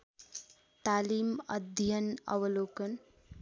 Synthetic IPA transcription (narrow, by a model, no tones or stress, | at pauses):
t̪aːlimə̰d̪ʱjənʌ̰ʋəloːkən